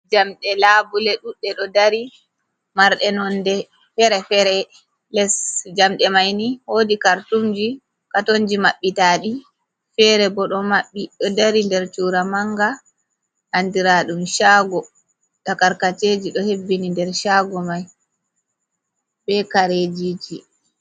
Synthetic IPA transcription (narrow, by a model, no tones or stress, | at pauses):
d͡ʒamɗɛlabulɛɗuɗːɛɗɔdaɾi | maɾɗɛnɔndɛ | fɛɾɛfɛɾɛ | lɛsd͡ʒamɗɛmajnihodikaɾtumd͡ʒi | katond͡ʒimaɓːitaːɗi | fɛɾɛbɔɗɔmaɓːiɗɔdaɾindɛɾt͡ʃuːɾamaŋɡa | ʔandiɾaɗumʃaːɡɔ | takaɾkat͡ʃeːd͡ʒiɗɔhebːinindɛɾʃaːɡɔmaj | bɛkaɾed͡ʒid͡ʒi